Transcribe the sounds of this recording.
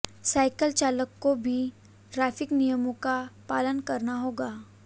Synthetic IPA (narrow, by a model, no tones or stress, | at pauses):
saːɪkəlt͡ʃaːləkːobʱi | ʈɾaːfɪknijəmõkapaːlənkɐɾnaɦoːɡaː